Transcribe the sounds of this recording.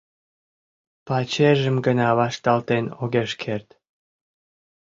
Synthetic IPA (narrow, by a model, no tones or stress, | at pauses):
pɑt͡ɕeʒəmɡənɑβɑʃt̪ɑlt̪enoɣeʃkʰert̪